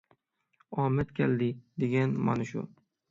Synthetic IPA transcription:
ɒmɪt̪kʲʰald̪ɪd̪eɡʲanma̰nɪʃʊ̰

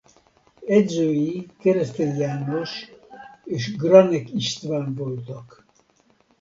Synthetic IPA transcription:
ɛzøːjikɛɾɛst̪ɛljaːnoʃ | eːʃɡɾɑnɛkiʃt̪vaːnvolt̪ɑk

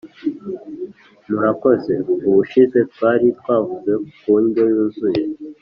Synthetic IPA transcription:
muɾako̞ze̞uβuʃize̞t̪̚waːɾit̪waːvuze̞kuːɲɟojuːnzuje̞

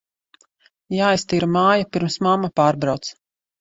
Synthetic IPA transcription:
jaːist̪iːɾumaːjupiɾmsmamːapaːɾbɾawt̪s

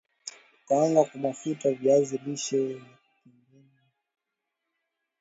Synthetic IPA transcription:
kaaŋɡakumafutavjaziliʃɔva | piŋɡini

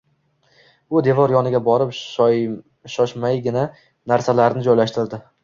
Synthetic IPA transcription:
ʊd̪e̞vɒɾjɒnɪɡʲabɒɾɪpj | ʃɒʃmajɡʲɪna | naɾsalaɾɪnɪd͡ʒɒjlaʃt̪ɪɾd̪ɪ

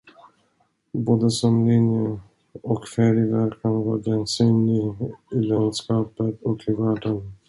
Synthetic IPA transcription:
boːd̪əsɔmlɪnjə | ɔkfæɖɪvæɾkʰanvɑːɾɡɛnsyːnlɪɪland̪skɑːpət̪ɔkʰɪvæːɖən

